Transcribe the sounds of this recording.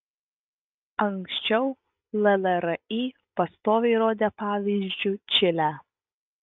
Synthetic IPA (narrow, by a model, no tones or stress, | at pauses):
ɐŋksʲt͡ʃʲɛʊ | lʲˠɛlʲˠɛɾɐiː | pɐst̪oːʋʲɛɪɾoːd̪ʲepɑːʋʲiːzʲd͡ʒʲʊt͡ʃʲɪlʲæː